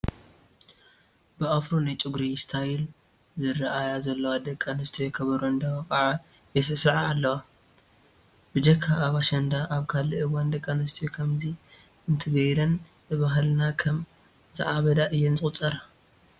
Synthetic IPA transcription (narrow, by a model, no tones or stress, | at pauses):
bɨʔafɾonajt͡ʃʼuɡɾist̪ʰajɪl | zɨrɐʔajazɐlːɐwad̪ɐkʼːanɐst̪ʰojɛkʰɐβɐɾuɨnd̪ɐwɐkʼaʕa | jɛs̬ɐsɨʕaalːɐwa | bɨd͡ʒɐkʰːaːβaʃɐnd̪aʔaβkʰaliʔɨwand̪ɐkʼːanɐst̪ʰojokʰɐmzi | ɨnt̪ʰɨɡɐjɾɐn | ɨβaɦlnakʰɐm | zɨʕaβɐd̪aʔɨjːɛnzʼɨχʼt͡sʼɐɾa